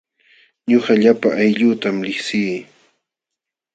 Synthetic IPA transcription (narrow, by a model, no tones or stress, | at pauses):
ɲʊɢaʎapaʔajʎuːt̪amlɪχsiː